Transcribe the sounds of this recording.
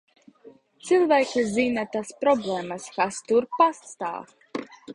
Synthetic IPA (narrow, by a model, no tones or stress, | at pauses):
t̪silˠvæjkizinat̪aspɾɔblˠeːmaskast̪uɾpast̪a̰ːf